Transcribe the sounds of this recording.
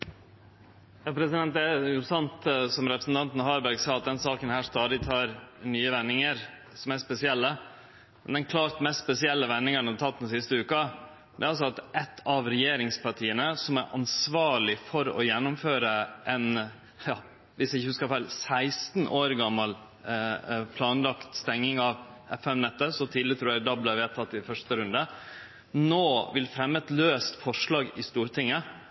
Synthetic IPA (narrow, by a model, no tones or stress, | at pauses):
jɑːpʰɾɛsɪd̪ɛnt̪ɛjʊsɑnt̪sɔmɾɛpɾəsn̩t̪ɑnt̪n̩hɑːbæɾɡsɑːɑt̪̚d̪ɛnsɑːkənhæːʂt̪ɑːd̪ɪt̪ʰɑːɾnyːəʋɛnːɪŋəɾ | sɔmæspɛsɪɛlːə | mɛ̰nd̪ɛnkʰlɑːɾt̪mɛst̪spɛsɪɛlːəʋɛnːɪŋən̩ɑt̪ʰɑt̪̚ːd̪nsɪst̪əʉːkə | d̪ɛæɾɑls̬ɔɑt̪ʔɛt̪ʰːɑʋɾɛjeːɾɪŋspɑʈʰiːənəsɔmæɾʔɑ̰nsʋɑːɭɪfɔɾɔ̰jɛnːʊmføːɾəʔɛn | jɑː | ʋɪsjɪçəhʉskəfæɪlsæɪst̪nʔoːɾɡɑmːɑl | pʰlɑːnlɑkt̪st̪ɛŋnɪŋɑʋɛfɛmnɛt̪ːəsɔt̪ʰid̪lɪt̪ʰɾuːɾæd̪ɑbləʋeːt̪ʰɑt̪ːɪfœʂt̪əɾʉnd̪ə | noːʋɪlfɾɛmːəɛt̪løːst̪fɔʂɭɑːɡɪst̪uːɾt̪ʰɪŋːə